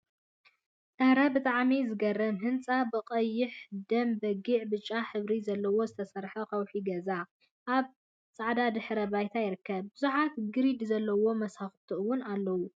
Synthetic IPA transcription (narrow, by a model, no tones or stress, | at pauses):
t̪ʼɐhɾɐbɨt̪ʼaʕmizɨɡɐrːɐnɦɨnt͡sʼabɨqʼɐjːɪħd̪ɐmbɐɡiʕbɨt͡ʃʼːaħɨβɾizɐlːɐwo̞zɨt̪ʰɐsɐɾħɐkɐwħiɡɐza | ʔaβ | t͡sʼaʕd̪ad̪ɨħɾɐbajt̪ʰajɪɾɨkːɐb̚bɨzuħat̪ɡɨɾid̪zɐlːɐwo̞mɐshaxt̪ʰɨʔuwʊnalːɐwu